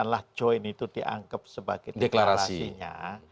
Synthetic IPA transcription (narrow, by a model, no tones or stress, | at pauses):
anlahd͡ʒ̥ɔɪnit̪ud̥iʔa̰ŋkəp̚səbaɡ̥ɛdeklaɾaɾsaisiɲa̰